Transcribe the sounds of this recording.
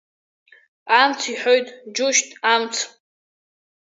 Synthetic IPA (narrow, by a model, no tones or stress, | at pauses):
amt͡sʰiħojtʼd͡ʒʊʃtʼamt͡sʰ